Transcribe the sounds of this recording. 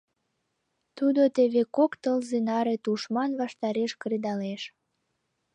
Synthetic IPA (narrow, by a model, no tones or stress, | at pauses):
t̪ud̪ot̪eβekokt̪əlzenɑɾet̪uʃmɑnβɑʃt̪ɑɾeʃkɾed̪ɑleʃ